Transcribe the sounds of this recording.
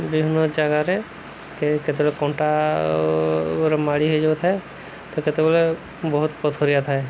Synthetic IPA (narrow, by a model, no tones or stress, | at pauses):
bibʱinːɔd͡ʒaɡaɾe | ket̪eɡɔlekɔɳʈa | ɾɔmaɽiɦojd͡ʒabet̪ʰae | t̪ɔket̪eɡɔle | bɔɦut̪̚pɔt̪ʰoɾijat̪ʰae